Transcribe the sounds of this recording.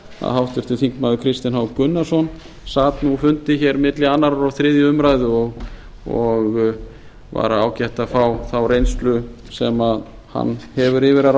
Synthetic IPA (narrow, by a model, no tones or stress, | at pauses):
a̰ðɦawht̪ɪɾ̥t̪ɪθiŋkmaðʏkʰɾɪst̪ɪnhawkʏnːasɔn | saːt̪nufʏnt̪ɪçɛɾmɪt̪lɪanːaɾɔɾawθɾɪːðjʏʏmɾajðʏɔɣ | ɔɣ | va̰ɾaaːwcɛht̪aðfaːwθawɾejnst̪lʏ | sɛmað | ha̰nːhɛvʏɾɪvɪɾaɾ